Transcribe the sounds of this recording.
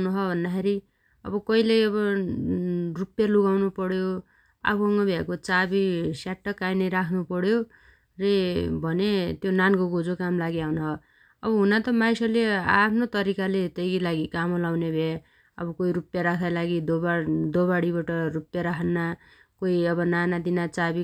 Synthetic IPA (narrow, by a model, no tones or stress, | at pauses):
nuɦʌbʱʌnd̪akʰeɾi | ʌ̰bʌkʌilejʌβʌ | rupjaluɡawnupʌɽjo | a̰pʰʌŋɡʌbʱakot͡sabisaʈːʌkːajnʌɾakʰnupʌɽjo | rebʱʌnet̪jonankoɡod͡zokamlaɡiawnaɦʌ | ʌbʌɦunat̪ʌmajsʌleapʰnot̪ʌɾikalet̪ʌjɡilaɡikamolawnebʱe | ʌ̰bʌkoiɾupjaɾakʰd̪alaɡid̪obad̪obaɽiβaʈʌrupjaɾakʰʌnːa | koiʌbʌnanad̪inat͡sabi